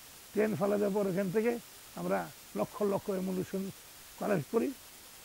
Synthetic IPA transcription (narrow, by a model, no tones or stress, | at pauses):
tenpʰalad͡ʒap̬ɔɾekʰɛnt̪ʰeke | amɾa | lɔkʰːɔlɔkʰːɔemulusɔn | kaled͡ʒkɔɾi